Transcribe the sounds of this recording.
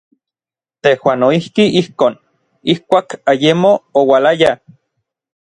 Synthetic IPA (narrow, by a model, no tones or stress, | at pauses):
t̪ehwaːnoihkiihkoːn | ihkʷaːkajemoːwalaja